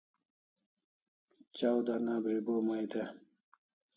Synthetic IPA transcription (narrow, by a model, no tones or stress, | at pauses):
t͡ɕawd̪anaːbɾibomajd̪e